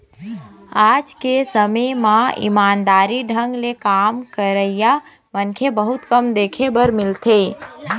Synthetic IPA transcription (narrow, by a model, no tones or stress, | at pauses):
ad͡ʒkesəməmãḭmaːnd̪aːɾiɖʱə̃ŋɡlekamkəɾəɪja | mənkʰebəɦut̪kəmd̪ekʰebəɾmɪlt̪ʰe